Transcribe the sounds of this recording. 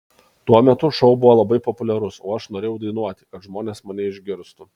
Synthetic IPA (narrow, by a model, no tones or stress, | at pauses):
t̪uɔmʲɛt̪ʊʃɐʊbʊʋoːlˠɐbɐɪpɔpʊlʲɛɾʊsoːɐʃnoːɾʲeːjɛʊd̪ɐɪnuɔt̪ʲɪ̥kɐt̪ʒmoːnʲeːsmɐnʲɛɪʒʲɡʲɪɾst̪ʊ